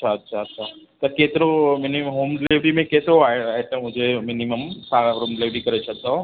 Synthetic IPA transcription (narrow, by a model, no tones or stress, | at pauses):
ɐt͡ʃʰaɐtːʃʰaɐtːʃʰa | t̪ɐkeːt̪ɪɾomɪniɦoːmɖɪlɪʋʈimẽkeːt̪ɪɾoaːɦeaːɦet̪ɐmʊ̃ɦɪ̃d͡ʑemɪniməmsãɾoːmɖɪlɪʋʈikɐɾet͡ʃʰɐk̚d̪o